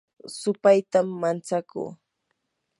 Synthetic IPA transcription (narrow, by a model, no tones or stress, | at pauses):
sʊpajt̪amːant͡sakṵː